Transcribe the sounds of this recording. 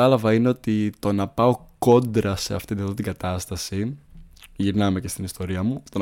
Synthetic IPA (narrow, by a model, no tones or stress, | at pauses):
ɐlɐvɐine̞o̞t̪it̪o̞nɐpɐo̞ko̞nd̪ɾɐse̞ɐ̰ft̪it̪iðot̪iŋɡɐt̪ɐst̪ɐsi | ʝiɾnɐme̞ce̞st̪inist̪o̞ɾiɐmut̪o̞